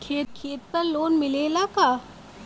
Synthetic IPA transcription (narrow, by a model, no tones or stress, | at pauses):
kʰeːt̪̚kʰeːt̪̚pɐɾloːnmɪleːlakaː